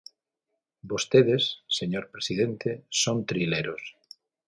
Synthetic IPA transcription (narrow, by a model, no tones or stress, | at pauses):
bost̪eðesːeɲoɾpɾesiðent̪esont̪ɾileɾos